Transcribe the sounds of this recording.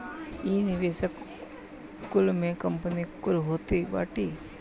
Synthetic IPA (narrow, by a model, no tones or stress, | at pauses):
iːnɪʋeːʃək | kʊlmẽkəmpənikʊlɦoːt̪iba̰ːʈiː